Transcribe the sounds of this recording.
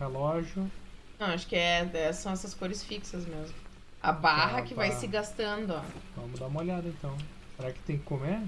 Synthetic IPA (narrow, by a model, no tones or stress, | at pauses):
helɔʒʊnɐ̃w̃aʃʊ̥kɪɛɛsɐ̃w̃ɛsɐskoɾɪsfiksɐzmezmʊ | ɐ̰baɦɐkɪvvajssɪɡast̪ɐ̃nd̪ʊɔvɐ̃mʊzd̪aũmɐoʎad̪ɐẽnt̪ɐ̃w̃ | seɾakɪ̥t̪ẽj̃kɪ̥kome